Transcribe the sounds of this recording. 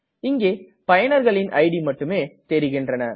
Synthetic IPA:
ɪŋɡeː | pɐjɐnɐɾɣɐɭɪnʔɐ̰ɪɽimɐʈːɯmeːt̪ɛɾɪɣɪndrɐnɐ

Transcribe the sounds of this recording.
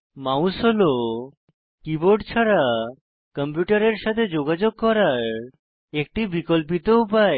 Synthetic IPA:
mausɦolo | kiboɾɖt͡ɕʰaɾa | kəmpjuʈaɾeɾʃat̪ʰed͡ʑoɡad͡ʑoɡ̚kɔɾaɾ | ek̚ʈibikolp̬it̪opae

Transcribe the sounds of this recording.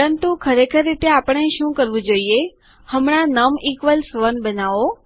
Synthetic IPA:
əɾənt̪ukʰəɾekʰəɾːit̪eapəɳ̃eʃũkəɾʋũd͡ʒoie | həmɳ̃anəmikʋəlsʋənbənaʋo

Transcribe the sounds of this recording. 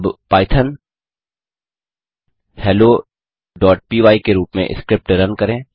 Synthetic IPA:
bpaːɪt̪ʰən | hɛːloː | ɖɔːʈ̚piːʋaːikeɾuːpmḛ̃ʔɪ̰skɾɪp̚ʈɾənkɐɾẽː

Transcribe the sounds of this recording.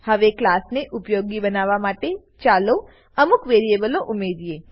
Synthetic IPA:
həʋeklasneʔʊpjoɡibənaʋamaʈe | t͡ʃalo | əmukʋeɾiebəloʔʊmed̪ie

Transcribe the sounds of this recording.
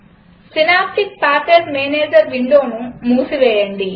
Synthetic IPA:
sinaːp̚ʈik̚paːɾkeɖmeːneːd͡ʒɐɾʋiɳɖoːnumuːsiʋɛːjɐɳɖi

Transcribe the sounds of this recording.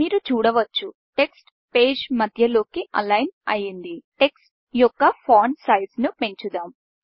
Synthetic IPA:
miːɾut͡ʃuːɽɐʋɐt͡ʃːu | ʈe̞ksʈ | pe̞ːd͡ʒmɐd̪ʱjɐlo̞ːkiɐ̰lɐjnɐjind̪iʈe̞ksʈ̚ | jɔkːɐpʰaːnsɐjɖsnupe̞ɲt͡ʃud̪aːm

